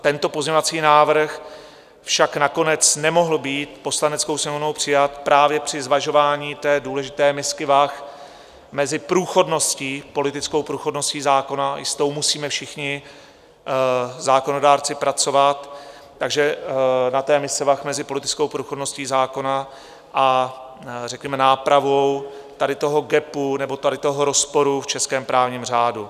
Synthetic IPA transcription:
t̪ɛnt̪o̞po̞zɲɛɲovat͡siːnaːvr̩x | fʃaknako̞nɛt͡snɛmo̞ɦl̩biːt̪po̞slanɛt͡sko̞wsɲɛmovno̞wpr̥ɪjat̪pɾʔaːvjɛpr̝̥ɪzvaʒo̞vaːɲiːt̪ɛːduːlɛʒɪt̪ɛːmɪskɪvax | mɛzɪpɾuːxo̞dno̞sciːpo̞lɪt̪ɪt͡sko̞wpɾuːxo̞dno̞sciːzaːko̞naɪ̰st̪o̞wmusiːmɛfʃɪxɲɪ | zaːko̞no̞daːɾt͡sɪpɾʔat͡so̞vat̪ː | aɡʒɛnat̪ɛːmɪsɛvaxmɛzɪpo̞lɪt̪ɪt͡skowpɾuːxodno̞sciːzaːko̞na | ʔa | rɛkɲɛmɛnaːpɾavo̞wt̪adɪt̪o̞ɦo̞ɡɛpunɛbo̞t̪adɪt̪o̞ɦoɾo̞spo̞ɾuft͡ʃɛskɛːmpɾʔaːvɲiːmr̝aːdu

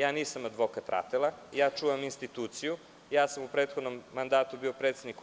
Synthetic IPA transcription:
jaːniːsamad̪ʋo̞kat̪ɾʔa̰t̪elˠajaːt͡ʃuːʋaminst̪it̪uːt̪siju | jaːsamupɾeːt̪xod̪nomːand̪aːt̪ubiopɾet̪sed̪nik

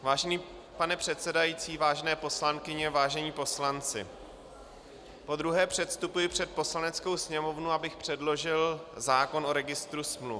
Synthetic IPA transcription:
vaːʒɛniː | panɛpr̥ɛt̪sɛdajiːt͡siːvaːʒɛnɛːpo̞slaŋkɪɲɛvaːʒɛɲiːpo̞slant͡sɪ̰ | po̞d̪ɾuɦɛːpr̝̥ɛt̪st̪upujɪpr̝̥ɛt̪̚po̞slanɛt͡sko̞wsɲɛmo̞vnuabɪxpr̝̥ɛdlo̞ʒɪlzaːko̞nʔo̞ɾɛɡɪst̪ɾusmlu

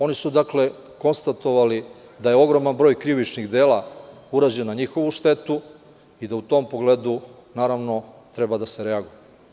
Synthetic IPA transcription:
o̞nisud̪akle̞ | ko̞nst̪at̪o̞ʋali | d̪aje̞o̞ɡɾo̞manbɾojkɾiʋit͡ʃniɣd̪e̞ːlauɾad͡ʑenaɲixo̞ʋuʃt̪e̞t̪u | id̪aut̪o̞ːmpo̞ɡle̞ːd̪u | naːɾaʋno̞t̪ɾe̞bad̪aseɾeaɡuje

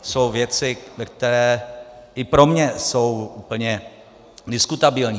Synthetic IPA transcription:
so̞wvjɛt͡sɪvɛk̚t̪ɛɾɛːʔɪpɾo̞mɲɛso̞wuːpl̩ɲɛ | dɪskut̪abɪlɲiː

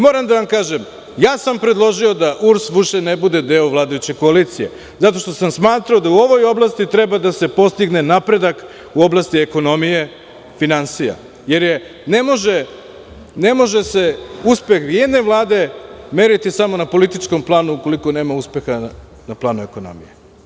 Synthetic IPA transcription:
mo̞ːɾamd̪aʋamkaːʒem | jaːsampɾe̞d̪lˠo̞ʒio̞d̪aʔuɾsʋiʃenebud̪e̞d̪eoʋlˠaːd̪ajut͡ɕe̞ko̞aliːt̪sije̞ | zat̪o̞ʃt̪o̞samsmaːt̪ɾao̞d̪auo̞ʋo̞jo̞blˠast̪it̪ɾe̞bad̪ase̞po̞st̪iɡne̞napɾe̞d̪ak | uo̞blˠast̪ieko̞no̞mije̞ | finansija̰ | je̞ɾje̞ | ne̞mo̞ʒe | ne̞mo̞ʒe̞se̞uspe̞xʋijed̪ne̞ʋlˠaːd̪e̞me̞ːɾit̪isamo̞napo̞lit̪it͡ʃko̞mplˠaːnuuko̞liko̞ne̞ːmauspe̞xa | naplˠaːnue̞ko̞no̞̰mije

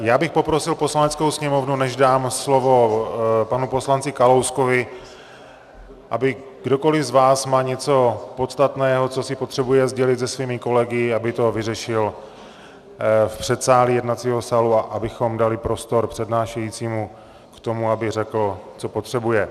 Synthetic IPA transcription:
jaːbɪxpo̞pɾo̞sɪlposlanɛt͡skowsɲɛmo̞vnunɛʒdaːmslo̞vo̞panupo̞slant͡sɪkalowsko̞vɪ | ʔabɪ | ɡdo̞ko̞lɪzvaːsmaːɲɛt͡so̞pot̪st̪at̪nɛːɦo̞t͡so̞sɪpo̞t̪r̥ɛbujɛzɟɛlɪt̪zɛsviːmɪko̞lɛɡɪabɪt̪o̞vɪrɛʃɪl | fpr̝̥ɛt̪saːlɪjɛdnat͡siːɦo̞saːluaʔabɪxo̞mdalɪpɾo̞st̪o̞ɾpr̝̥ɛdnaːʃɛjiːt͡siːmu | kt̪o̞muabɪrɛkl̩t͡so̞po̞t̪r̥ɛbujɛ

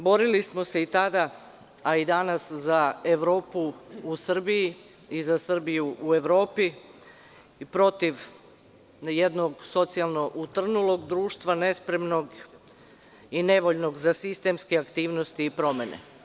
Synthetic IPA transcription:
bo̞ɾilismo̞se̞it̪ad̪a | aid̪anaszae̞ʋɾo̞ːpuusr̩biji | izasr̩bijuʔue̞ʋɾo̞ːpi | pɾo̞t̪iʋ | je̞d̪no̞ɡso̞t̪sialˠno̞ʔut̪r̩nulo̞ɡd̪ɾuːʃt̪ʋane̞spɾe̞mno̞ɡ | ine̞ʋo̞ʎno̞ɡzasist̪e̞mskeakt̪iːʋnost̪iːpɾo̞me̞nḛ

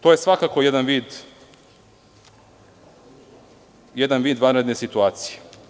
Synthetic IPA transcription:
t̪oje̞sʋakaːko̞je̞d̪anʋiːd̪ | je̞d̪anʋiːd̪ʋanɾed̪nesit̪uaːt̪sije̥

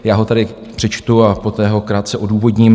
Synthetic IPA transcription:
jaːɦo̞t̪adɪ | pr̥ɛt͡ʃt̪uapo̞t̪ɛːɦo̞kɾaːt̪sɛʔo̞duːvo̞dɲɪm

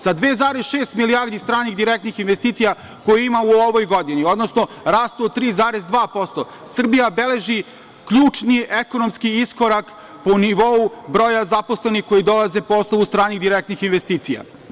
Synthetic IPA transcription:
sad̪ʋeːzaːɾesʃeːst̪milijaɾd̪ist̪ɾaːniɣd̪iɾek̚t̪nixinʋest̪iːt̪sija | ko̞jiimauoʋojɡod̪inio̞d̪no̞sno̞ɾaːst̪uot̪ːɾiːzaːɾezd̪ʋaːpo̞st̪o̞ | sr̩bijabe̞le̞ʒi | kʎuːt͡ʂnieko̞nomskiisko̞ɾak | po̞niʋo̞ubɾoːjazapo̞sle̞nixko̞jid̪o̞laze̞poost̪oʋust̪ɾaːniɣd̪iɾek̚t̪nixinʋest̪iːt̪sija̰

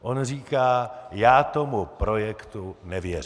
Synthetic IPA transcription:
ʔonriːkaːjaːt̪omupɾo̞jɛkt̪unɛvjɛr

